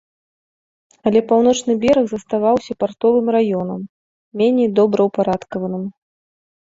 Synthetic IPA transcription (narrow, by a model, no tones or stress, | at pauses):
ɐlʲɛpawn̪ɔt͡ʂnɨbʲɛɾɐɣzɐst̪avawsʲɐpart̪ɔvɨmrajɔnɐmːʲ | ɛnʲɛjd̪ɔbɾɐwpaɾat̪kɐvɐnɨm